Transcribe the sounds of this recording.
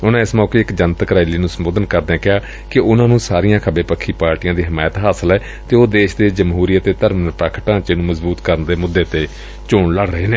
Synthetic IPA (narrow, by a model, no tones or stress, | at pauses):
ʊnãːɪsmɔːkeːɪkd͡ʒənt̪kəɾaːɪliːnũːsəmoːd̪ənkəɾd̪ɛ̃ːkɪaː | kɪʔʊnãːnũːsaːɾiːãːkʰəbeːpəkʰːiːpaːɾʈijãːd̪iːɦəmaːjt̪ɦaːsəlɛː | t̪eːoːd̪eːʃd̪eːd͡ʒəmɦuːɾijət̪eːt̪əɾmnəpɾaːkʰəʈãːt͡ʃenũːməzbuːt̪kəɾənd̪eːmʊd̪ːeːt̪eː | t͡ʃʊːɳləɽɾəɦeːneː